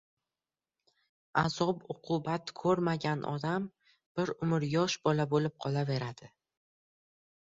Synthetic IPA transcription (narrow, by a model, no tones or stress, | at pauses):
az̥ɒbʊqʰʊbat̪kʰɵɾmaɡʲanʔɒ̰d̪am | b̥ɪɾʊmɪɾjɒʃbɒlabolɪp̚qʰɒlˠave̞ɾad̪̥ɪ